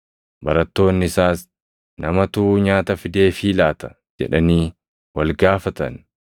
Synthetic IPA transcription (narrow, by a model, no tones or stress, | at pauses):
bɐɾɐt̪ːo̞ːnːɪɪsaːs | nɐmɐt̪uɲaːt̪ɐfɪd̪e̞ːfiːlaːt̪ɐ̥ | d͡ʒɛ̰ᶑɐniː | wɐlɡaːfɐt̪ɐ̰n